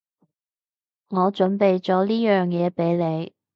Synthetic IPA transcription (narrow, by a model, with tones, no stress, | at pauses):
ŋɔː˨˧t͡ʃɵ˨˥npe˨jt͡ʃɔː˨˥liː˥jœː˨ŋjɛː˨˧pe˨˥jle˨˧j